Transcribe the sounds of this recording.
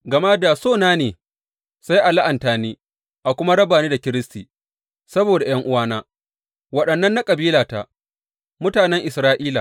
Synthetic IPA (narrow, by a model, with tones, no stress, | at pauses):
ɡɐ˨ma˦daː˨soː˦˨naː˦neː˨ | sa˦jʔa˨la˦ʔa˨ntaː˨niː˦ | ʔa˨kʷʊ˦ma˦ɽɐ˦baː˨niː˦da˨kʲɪ˦ɾɪ˦stiː˨ | sɐ˦boː˨da˨j̰ɐ˦ŋʔʊ˦waː˦naː˦ | wɐ˨ɗɐ˨nːɐ˦nːa˦kʼɐ˨biː˦laː˨ta˨ | mʊ˦taː˨nɛ˦ŋʔɪ˨sɾaː˦ʔiː˦la̰˨